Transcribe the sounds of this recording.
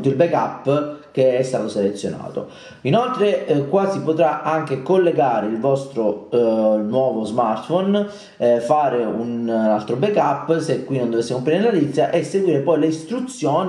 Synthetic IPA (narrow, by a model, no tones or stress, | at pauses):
t̪ːoilbɛkapːkeɛst̪aːt̪oselet̪sːjona̰ːt̪o̰ | inolt̪ɾekwaːsipot̪ɾaʔaŋk̟ekolːeɡaːɾeilvɔst̪ɾo | nwɔːvozmart̪fon | faːɾeunalt̪ɾobekapːsekːwinond̪ovesːekompɾiniɾlalit̪sːjaʔesːeɡwiːɾepɔjleist̪ɾut̪sːjɔːn